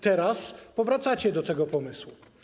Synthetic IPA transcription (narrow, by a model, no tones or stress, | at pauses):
t̪ɛɾaspɔvɾat̪sat͡ɕɛd̪ɔt̪ɛɡɔpɔmɘswu